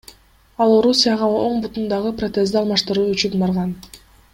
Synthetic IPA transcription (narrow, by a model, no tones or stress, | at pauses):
ɑlˠo̞ɾusʲɨjɑʁɑo̞ɴbut̪und̪ɑʁɯprot̪ezd̪ɪɑlˠmɑʃt̪ɯɾuːyt͡ʃynbɑɾʁɑn